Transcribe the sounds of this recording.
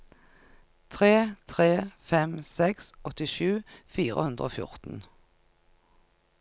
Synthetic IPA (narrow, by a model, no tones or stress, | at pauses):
t̪ʰʁeːt̪ʰʁeːfɛmsɛksɔt̪ɪʃʉːfiːʁə̰hʉnd̪ʁəo̰ːfjʊ̰ʁt̪n̩